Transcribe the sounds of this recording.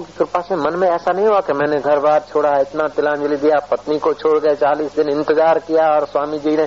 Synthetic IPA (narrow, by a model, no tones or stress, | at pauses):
kit̪ʊɾpasẽmɐnmẽɛːsanɐɦĩɦuakemɛ̃ːneɡʱɐɾbaːd̪̚t͡ʃʰoːɽaɪt̪nat̪ɪlãːd͡ʒʊlid̪ijapɐt̪nikot͡ʃʰoːɽɡɐet͡ʃaːliːsd̪ɪnɪ̃nt̪ɪzaːɾkijaɔːɾswaːmid͡ʒiːne